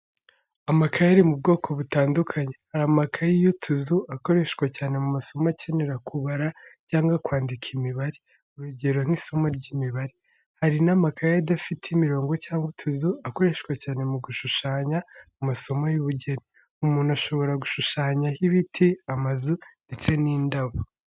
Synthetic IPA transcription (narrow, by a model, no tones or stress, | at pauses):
amakʰajaɾimub̚ɡo̞ːkʰo̞βutaːndukʰaɲe̞haɾamakʰajijutʰuzuako̞ɾe̞ʃkwacaːne̞mumaso̞macene̞ɾakʰuβaɾacaːŋɡakwaːndikʰimiβaɾe | uɾuɟe̞ɾoŋ̥iːso̞maɾɟimiβaɾi | haɾinamakʰajadafitʰimiɾo̞ːŋɡo̞caːŋɡutʰuzuako̞ɾe̞ʃkwacaːne̞muɡuʃuʃaːɲamumaso̞majuβuɟe̞ɾi | umuːn̥uaʃo̞βo̞ɾaɡuʃuʃaːɲahiβitʰiamazunde̞t͡se̞niːndaβo